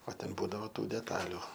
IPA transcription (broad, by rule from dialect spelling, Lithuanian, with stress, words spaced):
oː ˈtʲɛn ˈbuːdɐʋoː ˈtuː dʲɛˈtɑːlʲʊ